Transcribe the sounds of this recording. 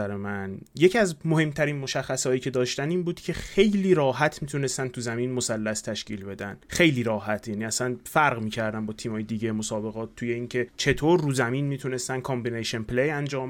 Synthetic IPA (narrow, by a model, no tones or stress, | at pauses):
æɾemænjecʰiæzmohe̞mt̪ʰæɾiːnmo̞ʃæxːæsɒːjiːcʰe̞d̪ɒːʃt̪æniːnbuːd̪̥cʰe̞xe̞jliːɾɒːɦæt̪ʰmit̪ʰune̞st̪ænt̪ʰuzæmiːnmosælːæst̪ʰæʃciːlbe̞d̪ænxe̞jliːɾɒːhæt̪ʰjæniːæsænfæɾɣmiːcʰæɾd̪æmbɒːt̪ʰiːmɒːjed̪iːɟejmosɒːbe̞ɣɒːt̪̚ʰːuːje̞iːŋcʰe̞t͡ʃʰe̞t̪ʰoːɾːuːzæmiːnmiːt̪ʰune̞st̪æn̚kʰɒmbineʃenpʰlejænd͡ʒɒːm